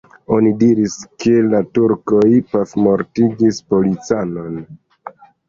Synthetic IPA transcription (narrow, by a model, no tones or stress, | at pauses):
o̞nidiɾiskʰe̞latuɾko̞jpafmo̞ɾtiɡispo̞lit͡sano̞n